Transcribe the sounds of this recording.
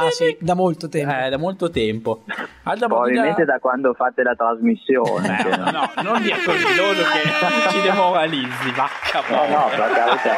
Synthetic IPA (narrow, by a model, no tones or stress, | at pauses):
asd̪amolt̪ot̪ɛɛd̪amolt̪ot̪ɛmpo | ad̪apɾobabilmẽnt̪ed̪akwand̪ofat̪ːelat̪ɾazmisːjo̰ːnenɔnond̪iakːord̪eloːd̪oket͡ʃid̪emoɾalid̪zːivat͡ʃːapɔlakaɾka